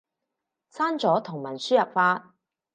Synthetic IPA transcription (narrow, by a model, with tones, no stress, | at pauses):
saː˥nt͡sɔː˨˥t̪ʰʊ˨˩ŋmɐ˨˩nsyː˥jɐ˨p̚faː˧t̚